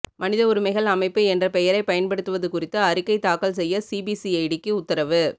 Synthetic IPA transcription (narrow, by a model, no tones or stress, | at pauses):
mɐnɪðɐʊɾɯmɐɪɣɐɭɐmɐɪpːɯɛndrɐpɛjɐɾɐɪpɐjɐnpɐɽɯt̪ːɯʋɐðɯkʊrɪt̪ːɯɐɾɪkːɐɪt̪aːkɐɭsɛjːɐsiːbisiɐɪɽɪkːɯʊt̪ːɐɾɐʋɯ